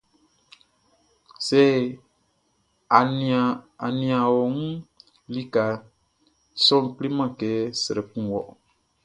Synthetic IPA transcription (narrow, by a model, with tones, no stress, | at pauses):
se˦˨ | a˨ni˨a˨wo˨ŋu˦ | li˦ka˨ | so˦ŋ˨kli˦ma˦ke˨˦sɨ˨ɾɨ˨pũ˦˨wɔ˨ʔ